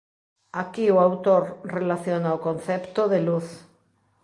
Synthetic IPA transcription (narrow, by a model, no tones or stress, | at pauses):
akioawt̪oɾrelaθjonaokon̟θɛpt̪oðeluθ